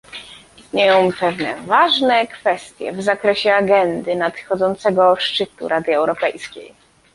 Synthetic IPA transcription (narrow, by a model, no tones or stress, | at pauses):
ist̪ɲejɔ̃w̃pɛvnɛ̰vaʐnɛkfɛst̪ʲjɛ̰vzakɾɛɕɛaɡɛnd̪ɘnat̪xɔd̪zɔnt̪sɛɡɔʂt͡ʂɘt̪ṵɾʔad̪ɘɛwɾɔpɛjskʲḛj